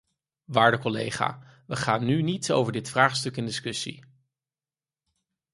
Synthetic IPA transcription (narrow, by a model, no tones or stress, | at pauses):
ʋaːɹdəkɔlḛjχa̰ː | ʋəχaːnːynitso̰wvəɹdɪtfraːχstɵkɪndɪskɵsḭ